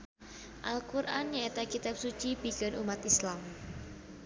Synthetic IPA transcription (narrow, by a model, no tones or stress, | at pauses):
ʔalkuɾʔanɲaet̪akit̪ap̚sut͡ʃib̥ikənʔṵmat̪islam